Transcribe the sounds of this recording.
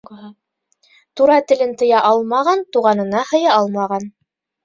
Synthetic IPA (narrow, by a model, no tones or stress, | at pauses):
t̪uɾɑt̪ɘ̆lɘnt̪ɤ̆jɑʔɑlˠmɑʁɑnt̪uʁɑnɤ̆nɑhɤ̆jɑɑlˠmɑʁɑn